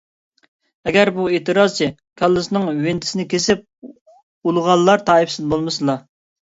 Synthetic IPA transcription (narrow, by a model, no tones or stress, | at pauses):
ɛɡʲæɾbueːt̪ʰɨɾɑz̥t͡ʃʰi | kʰʲɑlˠːɨsnɨŋwɪnt̪ʰɪ̥sɪnɪkʲʰesɪp̚ | ulˠəʁɑlˠːɑɾt̪ʰɑːifsɪzbolˠmɨsɨlˠɑ